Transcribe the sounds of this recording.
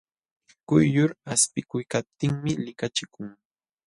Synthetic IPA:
kʊjːʊɾaspɪkʊjkap̚t̪ɪŋmɪlɪkat͡ʃɪkʊŋ

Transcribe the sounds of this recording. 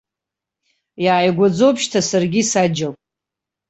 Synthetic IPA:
jaːjɡʷad͡zo̞wpʰʃtʰasarɡʲisad͡ʒakʼ

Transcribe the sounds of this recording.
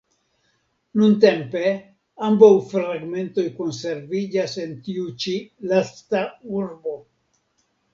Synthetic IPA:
nunt̬e̞mpe̞ | ambawfɾaɡme̞nto̞jko̞nse̞ɾvid͡ʒase̞ntiut͡ʃilastauɾbo̞

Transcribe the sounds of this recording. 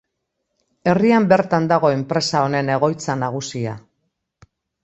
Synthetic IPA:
e̞riambe̞ɾt̪and̪aɣo̞e̞mpɾe̞sao̞ne̞ne̞ɣ̞o̞jt͡sanaɣ̞usia

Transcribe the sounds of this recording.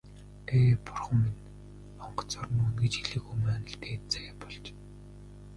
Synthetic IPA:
eːpʊrχə̆mːin | ɔɴɢɞ̥̆t͡sɔrnunɡĕt͡ɕiɮɘ̆ːxujmæːnə̆ɬt̪eːt͡sæːpɔɮt͡ɕ

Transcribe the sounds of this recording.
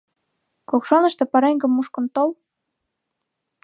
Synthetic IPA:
kokʃɑnə̆ʃt̪ĕpɑɾeŋɡə̆mːuʃkɤ̆nt̪ol

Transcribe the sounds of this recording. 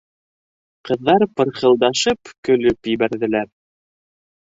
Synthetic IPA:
qɤ̆ðːɑɾpɤ̆ɾχɤ̆lˠd̪ɑʃɤpkɵ̆lɵpjɘ̆βæɾðɘ̆læɾ

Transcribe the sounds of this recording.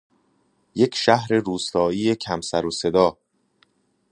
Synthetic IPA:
je̞cʰʃæhɾe̞ɾuːst̪ɒːiːe̞cʰæmsæɾose̞d̪ɒː

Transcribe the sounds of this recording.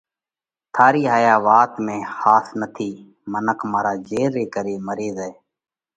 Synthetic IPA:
t̪ʰaːɾiːɦaːjaːʋaːt̪mẽːxaːsnət̪ʰiː | mənəkʰmaːɾaːd͡ʒeːɾːeːkəɾeːməɾeːzɛː

